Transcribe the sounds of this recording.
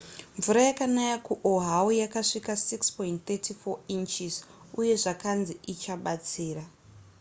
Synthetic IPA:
ɱvuɾajakanajakuʔoɦaujakaʂikasikspointt̪etifoint͡ʃiz | uje̞ʐakanziʔit͡ʃaɓat͡siːra

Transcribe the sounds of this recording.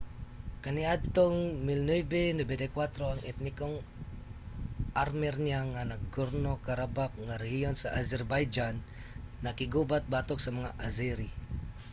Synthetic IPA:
kəniadt̪ɔŋmilnujbenəbedekwat̪ɾoaŋɛt̪̚nikɔŋ | armɛrɲiaŋanak̚ɡurnokaɾabak̚ŋaɾɛɡiɔnsaʔazɛrbajd͡ʒanː | akiɡubat̪̚bat̪ɔk̚səməŋaʔaziɾi

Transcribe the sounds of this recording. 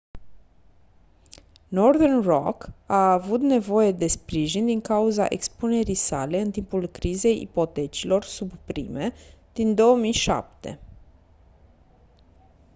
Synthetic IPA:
no̞rðernro̰kaːvut̪ne̞vo̞je̞d̪e̞spɾiʒind̪iŋkauza̰ʔekspune̞ɾisa̰le̞ɨnt̪impulkɾize̞jʔḭpo̞t̪e̞t͡ʃilo̞rsubpɾḭme̞d̪̥ind̪o̞əmijʃa̰p̚t̪ḛ

